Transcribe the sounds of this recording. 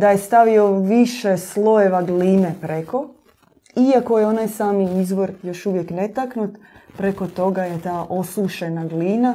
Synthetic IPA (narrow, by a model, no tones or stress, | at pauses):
d̪aje̞st̪aʋio̞ʋiʃe̞slˠo̞jeʋaɡlinepɾe̞ko̞ | iako̞jeo̞najsaːmiizʋo̞ɾjo̞ʃuʋje̞kne̞t̪aknut̪ | pɾe̞ko̞t̪o̞ɡajet̪aːʔo̞suʃe̞naɡlina